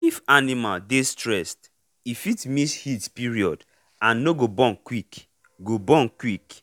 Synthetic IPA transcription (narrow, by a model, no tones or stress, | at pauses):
ifanimaldestɹɛst | ifitmishitpiɹiɔd | ãnːoɡobɔ̃nkwik | ɡobɔ̃nkwik